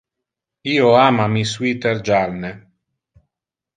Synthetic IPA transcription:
iːoaːmamiswit̪eɾd͡ʒalne

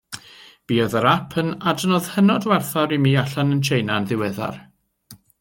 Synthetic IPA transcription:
b̥iːɔðəɾapʰənadnɔð̥hənɔdwɛrθaɾimiːaɬanənt͡ʃʰejnanðɪwɛða̰r

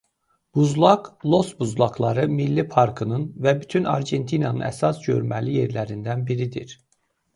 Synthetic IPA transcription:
b̥uzlˠɑɡlˠo̞sbuzlˠɑklˠɑɾɯmilːipʰɑɾkʰɯnɯnvæbyt̪ʰynɑ̰ɾɟe̞nt̪ʰinɑnɯnæ̰sɑsɟø̞̰ɾmælije̞ɾlæɾind̪ænbiɾid̪ḭɾ̥

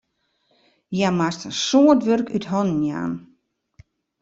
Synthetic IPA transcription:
jamastəsoːətʋørkytɦɔnnja̰ːn

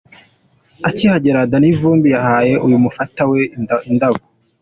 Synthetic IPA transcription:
acihaɟeɾadanivuːmbijahaːje̞ʔujumufataweindaɡo

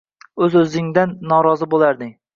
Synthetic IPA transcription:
ɵzɵzɪŋd̪anːɒɾɒzɨbolˠaɾd̪ɪŋ

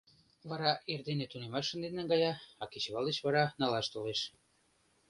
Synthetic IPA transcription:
βɑɾɑerd̪enet̪unemɑʃːə̆nd̪eneŋɡɑjɑɑket͡ɕβɑld̪et͡ɕβɑɾɑnɑlɑʃt̪oleʃ

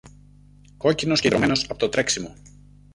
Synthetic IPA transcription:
ko̞cino̞sced̪ɾo̞̰me̞no̞sɐpo̞t̪ot̪ɾe̞ksimo̞

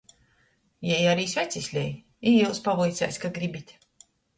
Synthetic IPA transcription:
jɛjaɾiːsʲvʲæt̪sʲisʲlʲɛj | ijuwspablijt̪sʲɛ̰ːsʲkaɡɾibʲit̪ʲ

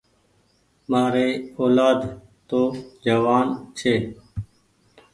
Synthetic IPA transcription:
maːɾeːoːlaːd̪ | t̪oːd͡ʒəʋaːnt͡ʃʰeː

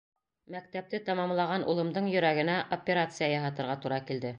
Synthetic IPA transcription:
mæk̚t̪æp̚t̪ɘt̪ɑmɑmlˠɑʁɑnʔṵlˠɤ̆md̪ɤɴjɵ̆ɾæɡɘ̆næʔopʲeɾat̪sɨjajɑɦɑt̪ɤ̆ɾʁɑt̪uɾɑkild̪ɘ

